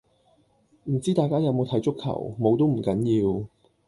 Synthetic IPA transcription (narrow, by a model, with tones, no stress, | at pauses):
m̩˨˩t͡siː˥t̪aː˨jkaː˥jɐ˨˧wmo˨˧wt̪ʰɐ˨˥jt͡ʃʊ˥kʰːɐ̰˨˩wmo˨˧wt̪o˥wm̩˨˩kɐ˨˥njiː˧w